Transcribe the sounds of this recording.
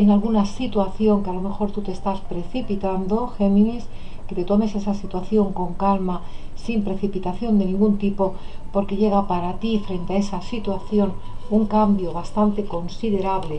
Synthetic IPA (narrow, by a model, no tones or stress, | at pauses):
enalɣunasit̪waθjo̞ŋkealo̞me̞xo̞ɾt̪ut̪est̪aspɾe̞θipit̪and̪o̞xe̞mĩnis | ke̞t̪et̪o̞me̞se̞sasit̪waθjo̞ŋko̞ŋkalmasimpɾe̞θipit̪aθjo̞nd̪e̞nĩŋɡunt̪ipo̞po̞ɾke̞ʎe̞ɣ̞apaɾat̪ifɾe̞nt̪eae̞sasit̪waθjo̞nuŋkambjo̞βast̪ant̪e̞ko̞nsiðe̞ɾaβle̞